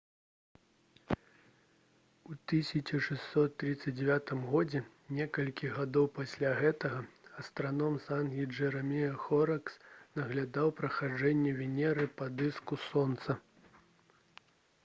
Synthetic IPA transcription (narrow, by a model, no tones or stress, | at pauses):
ut̪ɨsʲɐt͡ʃɐʂɛsːɔt̪ːɾɨt̪sːɐd͡zʲd͡zʲɛvʲat̪ɨmɣɔd͡zʲɛ | nʲɛkɐlʲkʲiɣad̪ɔwpasʲlʲaɣɛt̪ɐɣɐɐst̪ɾanɔmsanɣʲiʐɛɾɐmʲijɐxɔɾɐksnɐɣlʲad̪awpɾɐxad͡ʐɛnʲːɛvʲinʲɛɾɨpad̪ɨskusɔnt̪sɐ